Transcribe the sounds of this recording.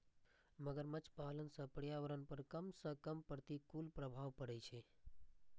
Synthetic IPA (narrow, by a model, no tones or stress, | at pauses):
məɡəɾmət͡ʃpalənsəpəɽjaʋəɾənpəɾkəmsəkəmpəɾt̪ikulpɾəbʱaʋpəɾet͡ʃʰe